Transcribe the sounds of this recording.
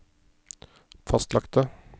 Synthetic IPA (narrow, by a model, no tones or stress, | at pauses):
fɑst̪lɑkt̪ə